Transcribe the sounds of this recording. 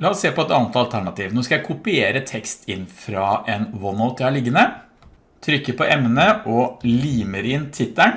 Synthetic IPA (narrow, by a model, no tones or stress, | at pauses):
lɑɔsːeːpɔɛt̪ɑnət̪ɑlt̪ʰæɳɑt̪iːʋnoːskɑjæɪkʰʊpɪeːɾət̪ʰɛkst̪ʰɪnːfɾɑʔɛnwɔnəʊt̪jæhɑɭɪɡːənə | t̪ʰɾʏkːəpɔʔɛmnəʔɔliːməɾɪnt̪ʰɪt̪ːəɳ